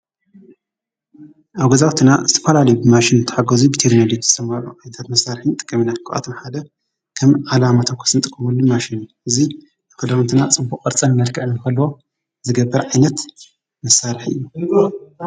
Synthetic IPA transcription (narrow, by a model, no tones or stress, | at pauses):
ʔawɡɐzawt̪ʰinazɨt̪ʰɐfɐlalɐjubɨmaʃinzɨt̪ʰɐ̥ħaɡɐzubɨt̪ʰiɾnolizɨ̥sɐmaɾuʔanɐt̪ʰat̪mɐsaɾħint̪ʼɨ̥kʼːɐminakʰːʔʼa̰t̪ʰɐmħad̪ɐ | kʰɐmʕalamat̪ʰɐkʰɐ̥sɨnt̪ʼɨkʼːɐmɨlːumaʃinʔɨzi | dɨkʰɐd̪ant̪ʰɨnat͡sʼɨbbukʼɐɾt͡sʼɐnmɐɾkʰɐʔɨnːɨkɐlwo̞ | zɨɡɐbːɐɾʕajnɐt̪ | mɐsaɾħiʔɨ̰jːu